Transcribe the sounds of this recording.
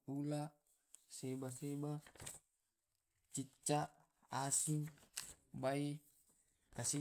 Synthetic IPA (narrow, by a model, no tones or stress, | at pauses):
ula | sebaseba | t͡ʃit͡ʃːa | asiŋ | bai | kasi